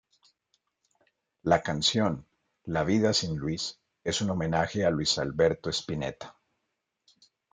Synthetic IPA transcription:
lakansjo̞n | laβiðasinlwis | e̞suno̞mẽ̞naxe̞alwisalβe̞ɾt̪o̞espine̞̰t̪ḁ

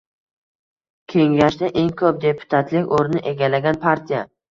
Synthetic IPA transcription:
kʲʰe̞ŋɡʲaʃd̪aʔe̞ŋkʰɵp̚d̪e̞pʰʊ̥t̪ʰat̪ʰlɪkʲoɾnɪʔe̞ɡʲalaɡʲanpʰaɾt̪ʰija

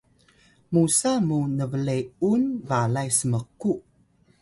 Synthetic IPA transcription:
musamunəvəlejunvalajsəməqu

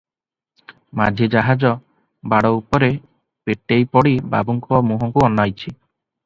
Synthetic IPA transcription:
mad͡ʒʱid͡ʒaɦad͡ʒɔ | baɽɔupɔɾe | peʈejpɔɽiba̰buŋkɔmuɦɔŋkuɔnːajt͡ʃʰi

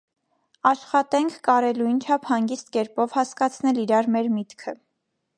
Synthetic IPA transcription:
ɑʃχɑt̪ɛŋkʰkɑɾɛlujnt͡ʃʰɑpʰhɑŋɡist̪̚kɛɾpɔvhɑskɑt͡sʰnɛliɾɑɾmɛɾmit̪kʰə

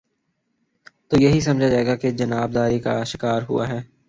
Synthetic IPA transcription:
t̪oːjɐɦis̬ɐmd͡ʒʱad͡ʒaːeːɡaked͡ʒɐnaːb̚d̪aːɾika̰ʃɪkaːɾɦʊ̰a̰ɦɛː

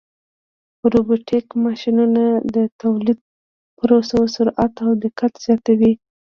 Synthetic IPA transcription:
ɾobiʈʰekmɑʃinunad̪ət̪awlid̪̚ | pəɾosawsʊɾat̪awd̪ɪkat̪z̥jɑt̪awi

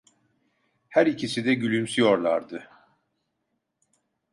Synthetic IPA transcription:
hæɾicʰisid̪ɛɟylʲymsyjo̞ɾlˠa̰ɾd̪ɯ

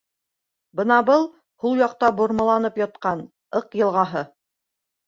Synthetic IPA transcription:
bɤnɑbɤlˠ | hulˠjɑq̚t̪ɑbŏɾmɑ̆lˠɑnɤpjɑt̪̚qɑn | ɤqjɤ̆lˠʁɑɦɤ

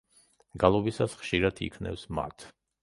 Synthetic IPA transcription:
ɡalˠɔbisasχʃiɾat̪ʰḭkʰnɛ̰fsma̰t̪ʰ

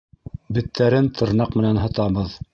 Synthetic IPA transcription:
bɘ̆t̪ʰːæɾɘnt̪ʰɤ̆ɾnɑqmɘ̆nænɦɤ̆t̪ɑβɤð

